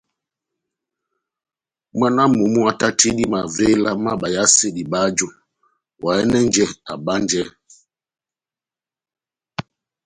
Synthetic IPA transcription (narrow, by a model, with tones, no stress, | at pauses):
ma˦na˦mu˨mu˦a˦ta˦tʰi˦di˦ma˨ve˦la˦ma˦ɓa˨ja˦se˦˨di˨ɓa˦d͡ʒo˦ | wa˨ɛ˦nɛ˦n˦d͡ʒɛ˦a̰˨ɓa˦nd͡ʒɛ˦